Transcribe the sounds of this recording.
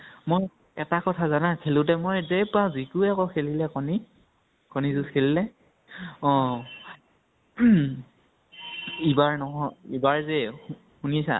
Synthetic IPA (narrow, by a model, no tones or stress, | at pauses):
moj | ɛtakɔtʰazanakʰelʊ̃tɛmojzepazikuɛkɔkʰelilɛkɔni | kɔnizuskʰelilɛ | ɔ̃ | ibaɹnɔɦɔibaɹzɛ | hunisa̰